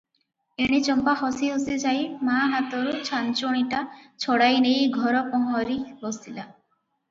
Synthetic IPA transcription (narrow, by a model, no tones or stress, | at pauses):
eɽ̃it͡ʃɔmpaɦɔsiɦosed͡ʒajmaɦat̪ɔɾut͡ʃʰant͡ʃoɽ̃iʈat͡ʃʰɔɽajnejɡʱɔɾɔpɔɦɔɾibɔsila